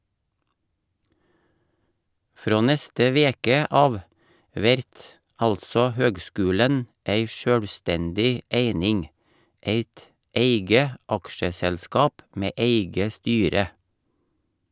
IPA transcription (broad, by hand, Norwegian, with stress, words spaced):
ˈfɾoː ˈnɛstə ˈʋeːkə ˈɑːʋ ˈʋɛɾt ˈɑltsɔ ˈhøːɡˌskʉːlən ˈeɪ ˈʃœɽˌstɛndɪ ˈeɪnɪŋ ˈeɪt ˈeɪɡə ˈɑkʃəsɛlˌskɑːp ˈmeː ˈeɪɡə ˈstyːɾə